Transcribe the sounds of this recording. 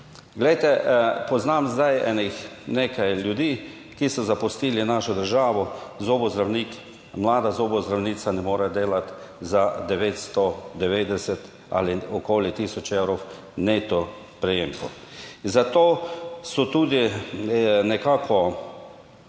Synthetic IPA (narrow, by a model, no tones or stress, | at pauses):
ɡlɛjt̪ɛpɔznamzd̪ajɛ̰nixneːkajljud̪iː | kisɔzapʊst̪iːlinaːʃɔd̪əɾʒaːʋɔzobɔzd̪ɾawniːk | mlaːd̪azoːbɔzd̪ɾawniːsanɛmoːɾɛd̪eːlat̪ | zad̪ɛʋeːt̪st̪ɔd̪ɛʋeːd̪ɛsɛt̪ | a̰liɔkoːlit̪iːsɔt͡ʃewɾɔ | neːt̪ɔ | pɾɛjeːmkɔzat̪oːsɔt̪uːd̪i | nɛkaːkʰɔ